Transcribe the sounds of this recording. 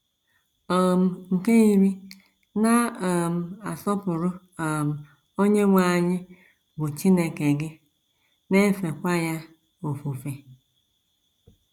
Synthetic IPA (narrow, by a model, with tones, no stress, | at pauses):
o˨m̩˨ŋ̩˨ke˦i˦ɾi˦ | na˦o˨m̩˨a˨sɔ˦pʊ˨ɾʊ˦ | a˨m̩˨ | o˦ɲe˦ŋʷa˦˨ɲɪ˦ | ɡʊ˨t͡ʃi˦ne˨ke˨ɡɪ˦ | ne˦fe˨kʷa˦ja˦ | o˨fu˨fe˦